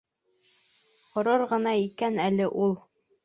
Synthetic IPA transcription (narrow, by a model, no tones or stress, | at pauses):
qŏɾɤɾʁɤ̆nɑikænælɘʔulˠ